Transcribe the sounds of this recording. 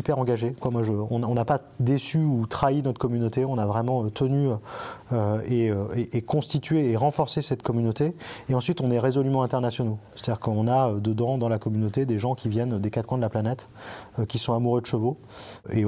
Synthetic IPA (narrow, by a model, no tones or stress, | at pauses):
ipɛʁɑ̃ɡaʒekwamwaʒəɔ̃nɔ̃napa | d̪esyut̪χainɔt̪χkɔmynot̪eɔ̃navʁɛmɑ̃øt̪ʰəny | øeøeʔːkɔ̃st̪it̪ɥeːʁɑ̃fɔʁsesɛt̪kɔmynot̪eeɑ̃sɥit̪ɔ̃nɛʁezɔlymɑ̃ɛ̃t̪ɛʁnasjɔnose̥t̪ad̪iʁkəɔ̃naød̪əd̪ɑ̃d̪ɑ̃lakɔmynot̪ed̪eʒɑ̃kʲʰivjɛnd̪ekat̪kwɛ̃d̪əlaplanɛt̪ | økʲisɔ̃amuʁød̪əʃəvo | e